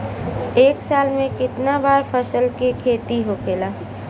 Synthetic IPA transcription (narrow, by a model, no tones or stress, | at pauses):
eːksaːlmẽkɪt̪nabaːɾpʰəsəlkekʰeːt̪iɦokʰeːlaː